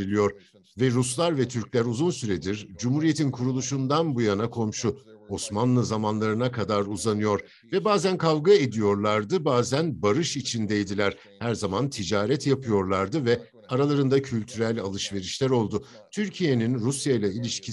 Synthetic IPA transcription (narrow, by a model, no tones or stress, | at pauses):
ilʲijo̞ɾ | vɛɾuslˠaɾvɛt̪ʰyɾclʲæɾuzunsyɾed̪iɾd͡ʒumhuɾije̞t̪ʰinkʰuɾulˠuʃund̪anbujanakʰo̞mʃuo̞smanlˠɯzamanlˠaɾɯnakʰad̪aɾuzanɯjo̞ɾ | vɛbaːzænkʰavɡae̞d̪ijo̞ɾlˠaɾd̪ɯbaːzænbaɾɯʃit͡ʃʰind̪ejd̪ilʲæɾ̥ | hæɾzamant̪ʰid͡ʒaːɾɛt̪japʰɯjo̞ɾlˠaɾd̪ɯvɛ | aɾalˠaɾɯnd̪acʰylʲt̪ʰyɾælʲa̰lˠɯʃve̞ɾiʃlʲæɾo̞lˠd̪ʊ | t̪ʰyɾcʰije̞ninɾusjajlˠailʲiʃcʰi